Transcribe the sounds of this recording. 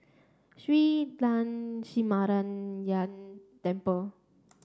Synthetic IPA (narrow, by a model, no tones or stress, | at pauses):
switlãnsimaɾanjant̪ɛ̃mpə